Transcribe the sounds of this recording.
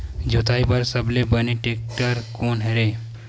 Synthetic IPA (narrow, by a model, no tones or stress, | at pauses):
d͡ʒot̪aibəɾsəblebəniʈek̚ʈəɾkoːnɦeɾe